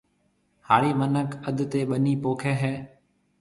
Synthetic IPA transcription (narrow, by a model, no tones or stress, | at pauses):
haːɾiːmənəkəd̪t̪eːɓəniːpoːkʰeːɦɛː